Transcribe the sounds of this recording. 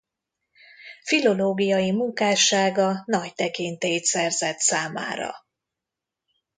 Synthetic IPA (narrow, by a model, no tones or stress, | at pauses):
filo̞loːɡijɒjimuŋkaːʃaːɡɒnɒct̪ɛkint̪eːjt̪sɛrzɛt̪saːma̰ːɾɒ̰